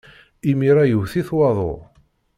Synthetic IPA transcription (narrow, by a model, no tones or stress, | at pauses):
imiɾæjəwθiθwɑðˤo̰